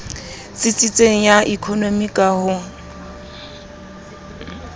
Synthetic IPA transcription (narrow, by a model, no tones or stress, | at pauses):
t͡sɪt͡sʼit͡sʼeŋ̩jaʔikʰɔnomikʼahʊ